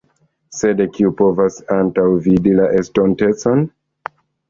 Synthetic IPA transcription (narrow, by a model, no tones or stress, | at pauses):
se̞dekiupo̞vasantawvidilaʔe̞sto̞nte̞t͡so̞n